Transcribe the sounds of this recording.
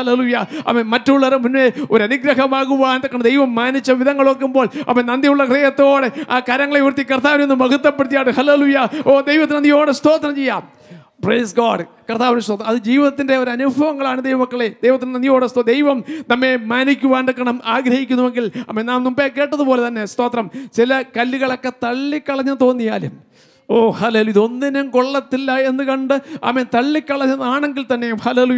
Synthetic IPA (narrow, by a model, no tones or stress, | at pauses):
ɐlelujɐɐ̰memɐtːuɭːɐɾemunme̞o̞ɾɐnuɡɾɐɦɐmaːɣuʋaːnɖ̪ɐkːɐɳɐmd̪ejʋɐmːaːnit͡ɕːɐʋiðɐŋːɐɭo̞ːk̬ːumbo̞ːɭɐ̰pːmːɐnenɐnd̪jɐuɭːɐkreːjɐt̪ːo̞ːɽeakaːɾɐŋːɐɭeiʋrt̪ːikɐrt̪aːʋinenːɨmɐɡut̪ːɐpːeɽit̪ijaːɽɨhɐlelujɐoːd̪ejʋɐt̪ːinɐnjo̞ːɽest̪o̞ːt̪ːɐnɐmt͡ɕe̞jːaːm | prejsɡaːɖkɐrt̪aːʋnst̪oːt̪ɐɐðɨd͡ʑiːʋiðɐt̪ːindeo̞ɾɐnubʱɐʋɐŋːɐɭaːɳɨd̪ejʋɐmɐkːɐɭed̪ejʋɐt̪ːinɐnijoːɽest̪od̪ejʋɐmnɐmːe̞maːnikʲːuʋaːnɖɨkːɐɳɐmaːɡɾɐhikʲːunːuʋeŋɡilɐ̰mːennaːmnumbekːe̞ːʈːɐðupo̞ːlet̪ɐnːe̞st̪o̞ːt̪rɐmt͡ɕilɐkɐlːuɣɐɭo̞kːe̞t̪ɐɭːikːɐɭɐɲːɐmt̪o̞ːnːijaːlum | oːhaleːlujiðo̞nːinemkoɭːɐt̪ːilːɐe̞nːɨkɐɳɖɨɐ̰ment̪ɐɭːikːɐɭɐɲːɐnaːɳe̞ŋɡilt̪ɐnːe̞jumhaleːluj